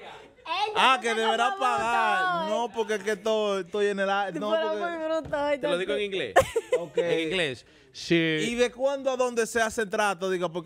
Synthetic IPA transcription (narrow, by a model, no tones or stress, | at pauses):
akeðeβeɾapaɣaaɾnõpoɾkeket̪ot̪ojenelanõɾamujβɾut̪ot̪eloðiɣoeŋiŋɡlḛokeẽŋiɡles | siiðekwãnd̪oaðõnd̪eseasent̪ɾat̪oðiɣopok